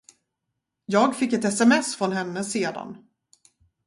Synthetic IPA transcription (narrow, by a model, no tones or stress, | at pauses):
jɑːɡfɪkːɛt̪ɛsɛmɛsfɾɔnɦɛnːəseːd̪a̰n